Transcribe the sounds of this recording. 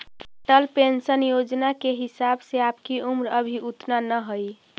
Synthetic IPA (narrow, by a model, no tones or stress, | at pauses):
ʈəlpensənjod͡ʒnakeɦɪsabseaːpkiumɾəbʱiʔut̪nanəɦoi